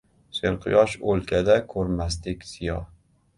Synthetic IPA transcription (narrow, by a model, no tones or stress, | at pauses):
seɾqʰɨjɒʃɵlkʲʰad̪akʰɵɾmas̬t̪ɪkʲz̥ɪjɒ